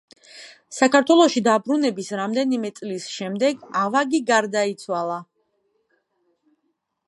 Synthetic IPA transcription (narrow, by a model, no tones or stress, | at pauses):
sakaɾt̪ʰwɛlˠɔʃid̪abɾunɛbisɾamd̪ɛnimɛt̪sʼlisʃɛmd̪ɛɡavaɡiɡaɾd̪ait̪sʰwalˠa